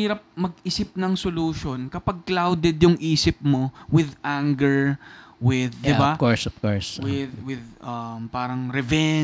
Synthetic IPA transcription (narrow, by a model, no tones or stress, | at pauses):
iːɾɐp̚mɐɡɪsɪp̚nɐŋsoluʃo̞nkɐpɐɡ̚klawd̪ɛd̪jʊŋʔiːsɪp̚mo̞wɪd̪ʔaŋɡɛɹwɪðd̪ɪbakoɹsɔfkoɹswɪd̪wɪðɐmpaːɾɐŋɾɛvɛ